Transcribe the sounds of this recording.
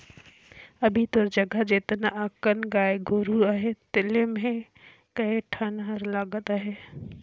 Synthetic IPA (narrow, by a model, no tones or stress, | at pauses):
əbʱit̪oɾd͡ʒəɡəd͡ʒet̪naʔəkənɡaːeɡʱoɾuaɦet̪elemẽ | kəeʈʰənəɾlaːɡət̪aɦe